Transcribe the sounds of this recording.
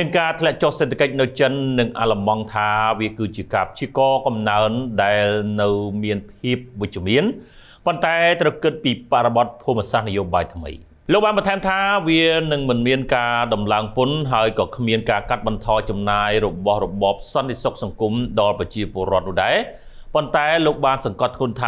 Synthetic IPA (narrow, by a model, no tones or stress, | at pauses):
nɨŋkaːt̪ʰlɛ̆əʔt͡ɕohseːt̪ʰːḁkəc̚nɨwt͡ɕənːɨŋʔaləmɑŋt̪ʰaːʋiəkɨːt͡ɕiəkaːpʰt͡ɕiəkɑːkɑmnaənɗaɛlnɨwmiənpʰiəp̚ʋɨc̚t͡ɕăəmiən | pont̪aɛt̪rəwkɨt̪̚piːpaʔrɔɓɑt̪̚pʰumiəsahnɨjoːɓaːjt̪ʰmə̰j | loːk̚ɓaːnɓɑnt̪ʰaɛmt̪ʰaːʋiənɨŋmɨnmiənkaːɗɑmlaəŋpʊnɦaəjkɑːkʰmiənkaːkat̪̚ɓɑnt̪ʰɑːjt͡ɕɑmnaːjrɔɓɑhrɔɓɑːp̚sɑnt̪ʰesok̚sɑŋkumɗɑlprɑt͡ɕiəpŏəɾŏət̪̚nuəhɗaɛ | pont̪aɛloːk̚ɓaːnsɑŋkɑt̪ʰŋŭənt̪ʰaː